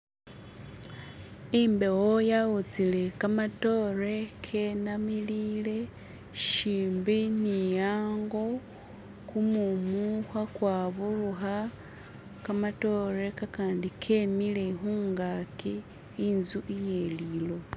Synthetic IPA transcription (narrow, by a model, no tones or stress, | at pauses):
imbe̞wojaut͡sile̞kamato̞re̞kʰe̞namilile̞ | ʃiːmbinijaːŋɡo̞ | kumumuxwakwaβuruxa | kamato̞re̞kakaːndikʰe̞mile̞xuːŋɡaki | inzuʔije̞lilo̞